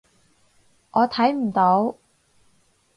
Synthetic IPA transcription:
ŋɔː˨˧t̪ʰɐ˨˥jm̩˨˩t̪o˨˥w

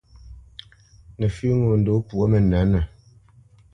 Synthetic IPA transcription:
nə˨fʉ˦ŋo˨n̩˨do˦pu˨ɔ˦mə˨na˨˦nə˨

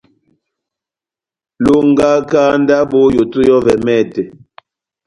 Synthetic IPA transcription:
lo˨ŋ˦ɡa˦kaː˦n˦da˦bo˦jo˨tu˦jɔ˦vɛ˨mɛ˦˨tɛ˨

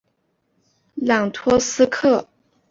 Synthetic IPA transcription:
ljɑ˨˩ŋt̪ʰwɔ˥sɹ̩˥kʰɤ˥˩

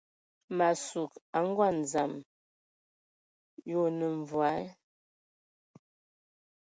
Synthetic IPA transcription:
ma˨su˨ka˨˦ŋ̩˦ɡwa˦˨n˨za˨m | jo˦˨nə˨ɱ˨vwa˨˦

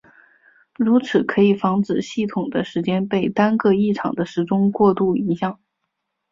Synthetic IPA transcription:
ɻu˧˥t͡sʰɹ̩˨˩kʰɤ˧˥i˨˩fɑ˧˥ŋt͡sɹ̩˨˩ɕi˥˩t̪ʰʊ˨˩ŋd̪ə˦ʂɻ̩˧˥t͡ɕjɛ˥npe˥˩ɪt̪a˥nkɤ˥˧i˥˩ʈ͡ʂʰɑ̰˨˩ŋd̪ə˦ʂɻ̩˧˥ʈ͡ʂʊ˥ŋkwɔ˥˧t̪u˥˩i˧˥ɕjɑ˥˩˦ŋ

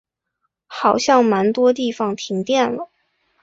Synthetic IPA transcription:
xɑ˨˩ʊɕjɑ˥˩ŋma˧˥nt̪wɔ˥t̪i˥˩fɑ˩ŋt̪ʰi˧˥ŋt̪jɛ˥˩nlə˩

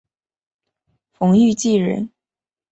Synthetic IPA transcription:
fʊ˧˥ŋy˥˧t͡ɕi˥˩ɻə̰˧˥n

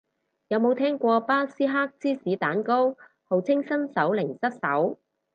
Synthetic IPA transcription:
jɐ˨˧wmo˨˧wt̪ʰɛː˥ŋkʷɔː˧paː˥siː˥ɦaː˥k̚t͡siː˥siː˨˥t̪aː˨˥nko˥w | ho˨wt͡sʰɪ˥ŋsɐ˥nsɐ˨˥wlɪ˨˩ŋsɐ˥t̚sɐ̰˨˥w

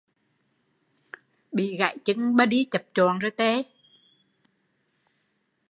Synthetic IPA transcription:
ɓḭ˧˨ɣa̰˧˨jt͡ɕi˧˦ŋɓə˧˩ɗi˧t͡ɕə˨˩p̚t͡ɕɔ˨nzoː˧˨˩jt̪e˧˦

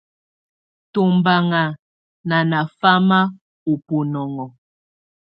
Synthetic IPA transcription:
to˨mba˨ŋa˨ | na˨na˨fa˦ma˦ | o˨po˨nɔ˨ŋɔ˨

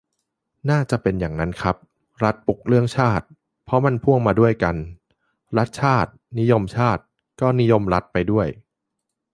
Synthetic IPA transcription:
naː˥˩t͡ɕa˨˩ʔpe˧njaː˨˩ŋna˦˥nkʰɾa˦˥p̚ | ɾa˦˥t̪̚pu˨˩k̚ɾɯ˥˩əŋt͡ɕʰaː˥˩t̪̚ | pʰɔ˦˥ma˧˥˨npʰu˥˩əŋmaː˧du˥˩əjka˧n | ɾa˦˥t̪̚t͡ɕʰaː˥˩t̪̚ni˦˥jo˧mt͡ɕʰaː˥˩t̪̚ | kɔː˥˩ni˦˥jo˧mɾa˦˥t̪̚pa˧jdu˥˩əj

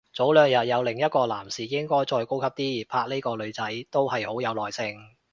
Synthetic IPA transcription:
t͡so˨˥wlœː˨ŋjɐ˨t̚jɐ˨˧wlɪ˨˩ŋjɐ˥t̚kɔː˧laː˨˩msiː˨˩jɪ˥ŋkɔː˥jt͡sɔː˧jko˥wkʰɐ˥p̚t̪iː˥iː˨˩pʰaː˧k̚ne˥jkɔː˧lɵ˨˧ɥt͡sɐ˨˥jt̪o˥whɐ˨jho˨˥wjɐ˨˧wlɔː˨jsɪ˧ŋ

